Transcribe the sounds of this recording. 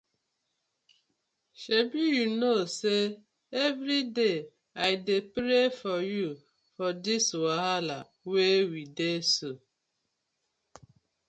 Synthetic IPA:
ʃebijunose | evɾide | aɪdepɾefɔju | fɔdiswaɦala | wewideso

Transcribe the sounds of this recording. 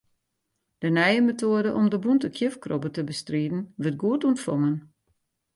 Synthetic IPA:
d̥ənɛjəmetʰoədəʔɔmdəbuntəkʰjəfkrobətəbəstriːdn̩ʋət̚ɡuətuəntfɔŋən

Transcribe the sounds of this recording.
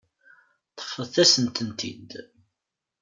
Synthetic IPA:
t̪ːə̥fːəðθæsənt̪ənt̪ḭd̪

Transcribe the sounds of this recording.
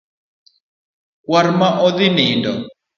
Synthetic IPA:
kwarmaʔɔðinindɔ

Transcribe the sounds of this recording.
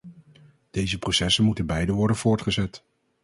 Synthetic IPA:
d̥ejzəprosɛsənmutənbɛjdənʋɔɹdənv̥ʊːɹtχəzɛt

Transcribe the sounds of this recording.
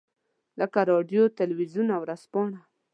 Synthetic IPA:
ləkaɾɑɖjot̪alwizunawɾaspɑɳa

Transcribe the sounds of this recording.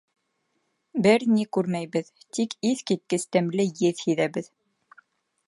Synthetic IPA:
bɘɾnikʉɾmæjβɘðt̪ikiθkit̪̚kɘst̪æmlɘjɘðhiðæβɘð

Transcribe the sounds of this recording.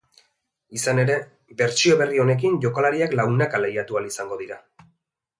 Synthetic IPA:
isane̞ɾe̞ | be̞ɾt͡ʃio̞βe̞rio̞ne̞k̬inʝo̞kolaɾiaklawnakalejat̪ualisaŋɡo̞ðiɾa

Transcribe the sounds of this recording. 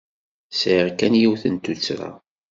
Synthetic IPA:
siʁkænjiwθənt̪ut͡sːɾa̰

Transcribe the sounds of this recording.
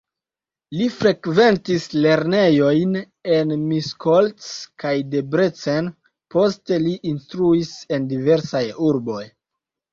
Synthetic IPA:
lifɾe̞kve̞ntisle̞ɾne̞jo̞jn | e̞nmiskʰoltskajde̞bɾet͡sen | po̞ste̞liʔinstɾuise̞ndive̞ɾsajuɾbo̞j

